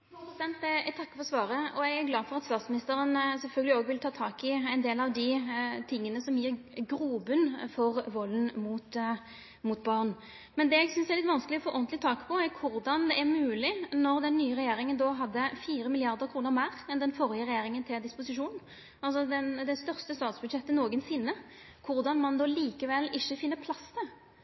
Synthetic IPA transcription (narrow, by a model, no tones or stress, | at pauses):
psɛnt̪ɛɛt̪ʰɑkːə̥fɔɾɔsʋɑːɾəɔɛɡæɾɡlɑːfɔɾɑt̪st̪ɑːt̪smɪnɪst̪əɾənsɛlfœlɡəlɪoːɡʋɪlt̪ʰɑːt̪ʰɑːkɪɛɪnd̪eːlɑʋd̪ɪt̪ʰɪŋːənəsɔmjiːɾɡɾuːbʉnfɔʁʋɔlːnmʊt̪ | mʊt̪bɑʁn | mɛnd̪ɛɛɡsʏnsɛɾlɪt̪ːʋɑnskəlɪɔfoːʔɔnt̪lɪt̪ʰɑːkə̥pʰɔæɾkʰʊɾd̪ɑnd̪ɛʔæʁmʉːlɪnɔʁd̪ɛnːyːəʁɛjeːɾɪŋənd̪ɔɦɑd̪ːəfiːɾəmɪlɪɑʁd̪əɾkʰɾuːnəʁmæːʁɛnd̪ɛnfɔɾjəʁɛjeːɾɪŋənt̪ʰɪld̪ɪspʊsɪʂuːn | ɑlsɔd̪ɛnd̪ɛst̪œʁst̪əst̪ɑːt̪sbʉd̪ʂɛt̪ːənoːɡənsɪnːə | kʰʊɾd̪ɑnmɑnd̪ɔliːkəʋɛlːɪçːəfɪnːəɾpʰlɑst̪ʰɪ